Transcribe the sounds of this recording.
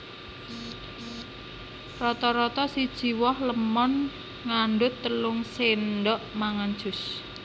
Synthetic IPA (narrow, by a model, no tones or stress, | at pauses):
rɔt̪ɔɾɔt̪ɔsid̥ʒ̥i̤wɔhləmɔn | ŋaɳɖʊt̪ːəlʊŋsenɖɔʔmaŋan̥ʒ̥ʊs